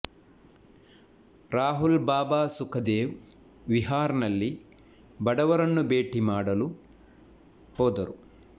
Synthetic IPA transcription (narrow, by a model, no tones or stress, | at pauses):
ɾaːɦulbaːbaːsukʰɐd̪eːʋ | ʋiɦaːɾɐnɐlːi | bɐɽɐʋɐɾɐnːubeːʈimaːɽɐlu | hɔːd̪ɐɾu